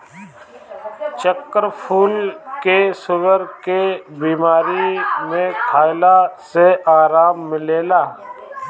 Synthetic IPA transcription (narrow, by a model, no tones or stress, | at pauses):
t͡ʃəkːəɾpʰuːlkesʊɡəɾkebiːmaːɾimẽkʰaːɪlaseaːɾaːmːɪleːlaː